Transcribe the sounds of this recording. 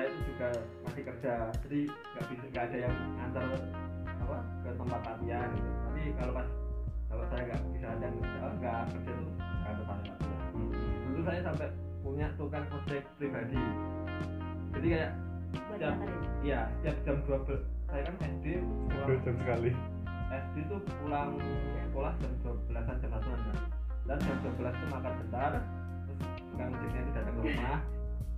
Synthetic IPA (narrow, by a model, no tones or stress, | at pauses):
sajat̪ud͡ʒuɡamasɪkərd͡ʒad͡ʒadi | ŋɡaʔb̥isaŋɡaʔːdajaŋant̪ala̰pakət̪əmpat̪̚lat̪iank̪ut̪apikalopasb̥awaʔsajaŋɡaʔb̥isaat̪ianaaŋɡakərd͡ʒat̪ukaap̪əpana̰t̪ia̰ndut̪us̬ajasampɛʔ | puɲaʔt̪ukanməsɪhpɾibadi | d͡ʒadikajaʔ | əsət̪iap̚ | ijasə̥t̪iap̚d͡ʒamduak̚bə | sajakanɛsdi | ulaəd͡ʒəmsəkali | ɛsdit̪upulaŋ | askolahd͡ʒamduapbəlasand͡ʒamlat̪unana | dand͡ʒam̚duak̚bəlasat̪umakan̚bənt̪aɾ | t̪ʊs | kaŋsɪt̪ɲadidat̪aŋəɾumah